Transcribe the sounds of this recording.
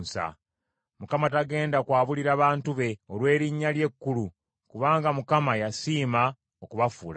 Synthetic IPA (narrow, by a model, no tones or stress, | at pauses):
nsa̰ | mukamataɡe̞ːndakwaːβuliɾaːβaːntuβe̞olwe̞ːɾiɲːalje̞kːulu | kuβaːŋɡamukamajasiːma | okuβafuːla